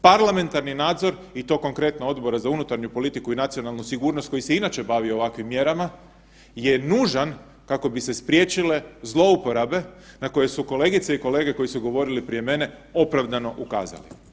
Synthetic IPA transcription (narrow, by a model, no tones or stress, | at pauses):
paɾlame̞nt̪aɾninaːd̪zo̞ɾit̪o̞ːko̞ŋkɾe̞t̪nao̞d̪bo̞ɾazaunut̪aɾɲupo̞lit̪ikuinat̪sionalˠnusiɡuːɾnost̪̚ko̞jiseinat͡ʃe̞baʋiooʋakʋimːje̞ɾama | je̞nuʒan | kako̞bise̞spɾje̞t͡ʃile̞zlˠo̞upo̞ɾabe̞nako̞je̞suko̞le̞ɡit̪seiko̞le̞ːɡe̞ko̞jisuɡo̞ʋo̞ɾilipɾijeme̞ne̞ | o̞pɾaʋd̪ano̞ʔuka̰ːza̰lḭ